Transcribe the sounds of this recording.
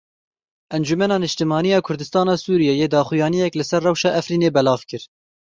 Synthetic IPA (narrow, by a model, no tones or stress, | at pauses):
ʔɛnd͡ʒumɛnɑːnɨʃt̪ɨmɑːnijɑːkʰʊɾd̪ɨst̪ɑːnɑːsuːɾijɛjeːd̪ɑːxʊjɑːnijɛklɨsɛrːɛwʃɑːʔɛfɾiːneːbɛlɑːvkɨɾ